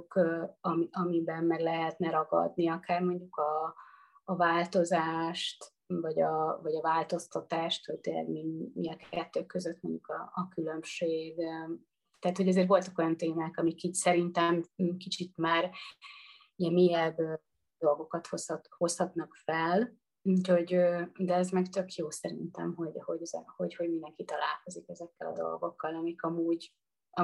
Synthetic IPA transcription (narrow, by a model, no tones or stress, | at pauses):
kɒmiʔɒmibɛnmɛɡlɛɦɛt̪nɛɾɒɡɒ̰d̪niɒkaːrmo̞ɲɟukɒː | vaːlt̪o̞zaːʃt̪ | vɒɟɒvɒɟɒvaːlt̪o̞st̪ɒt̪aːʃt̪ot̪ɛlɛ̰ɡmimiɛkʰɛt̪ːøːkːøzøt̪moɲɟukɒ̰ːkylø̞mʃeːɡ | t̪ɛat̪ho̞ɟɛzeːrvo̞lt̪ɒko̞jɒnt̪eːmaːkɒmikiːcsɛɾint̪ɛmːkit͡ʃit̪maːr | ijɛmmeːjɛb | d̪o̞lɡo̞kɒt̪host̪ho̞shɒt̪nɒkfɛl | ucho̞ɟød̪ɛɛzmɛɡt̪økjoːsɛɾḭnt̪ɛ̰mɦo̞ɟho̞ɟɛzɛ̰ho̞ɟho̞ɟmind̪ɛŋkit̪ɒla̰ːlko̞zikɛzɛkːɛlɒ̰d̪o̞̰lɡo̞kːɒlɒmikɒmuːɟ | ɒ